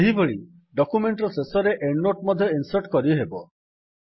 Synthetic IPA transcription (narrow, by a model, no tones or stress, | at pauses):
eɦibeɭi | ɖɔkumeɳʈɾɔsesɔɾeʔeɳːoʈmɔd̪ʱjɔinsɐɾʈkɔɾibɦebɔ